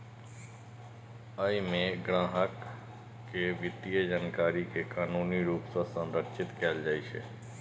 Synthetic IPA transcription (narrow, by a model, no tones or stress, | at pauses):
əimẽɡɾãːɦəkː | eʋɪt̪ijəd͡ʒankaːɾikekaːnuːniɾuːpsəsə̃nɾəkʃɪt̪kɛːld͡ʒaːiʃḛː